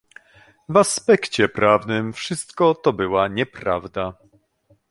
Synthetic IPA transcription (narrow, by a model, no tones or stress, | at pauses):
vaspɛkt͡ɕɛpɾʔavnɘmfʂɘst̪kɔt̪ɔbɘwaɲɛpɾa̰vd̪a